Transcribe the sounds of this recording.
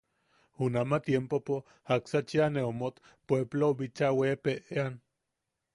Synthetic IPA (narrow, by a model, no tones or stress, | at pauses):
unamat̪jempopo | aksat͡ʃianeomot̪ | pwebloβit͡ʃawepeʔean